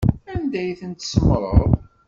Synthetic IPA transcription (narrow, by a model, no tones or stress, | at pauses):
ænd̪æjθənt̪səmːɾˤə̰ðˤ